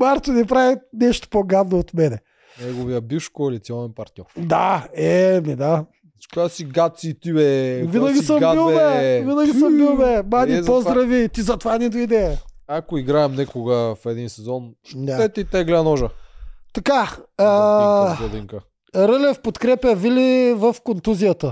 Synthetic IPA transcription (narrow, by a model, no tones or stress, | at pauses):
maɾt̪onɛpɾavinɛʃt̪o̥poɡad̪noot̪mɛnɛ | nɛɡoviəbifʃkolit̪siɔnɛnpɐɾt̪nʲɔɾd̪aɛmid̪a | kojasiɡat̪̚siːt̪ibɛvinɐɡʲisɐmailˠbɛvinəɡʲiɐilˠbɛmanizpozd̪ɾɐvit̪izɐt̪ovanɛd̪oid̪ɛjəakoiɡɾaɛmnɛkoɡɐfɛd̪insɛzɔnd̪aɛt̪ɛit̪ɛɡlɛnɔʒət̪ɐkaː | od̪iŋkə | ɾəlɛfpot̪kɾɛpəvilivəfkont̪uzijət̪ə